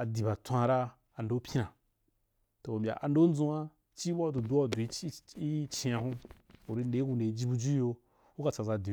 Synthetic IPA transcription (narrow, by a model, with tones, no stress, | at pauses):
a˨di˨ba˨tʷã˦˧ɾa˦ | a˨ndo˦pʲi˦nã˨ | to˨o˨mbʲa̰˨ʔa˨n˦do˦n̩˦d͡zũ˧a˦ | t͡ʃi˦ba˦du˨du˦a˦˨du˨i˦i˦t͡ʃi˧a˧hũ˦u˨ɾi˧n˦e˨˦ku˨˧ne˨i˦d͡ʒi˦bu˧d͡ʒu˦jo˧ | u˦ka˨t͡sa˨za˧˨di˨˦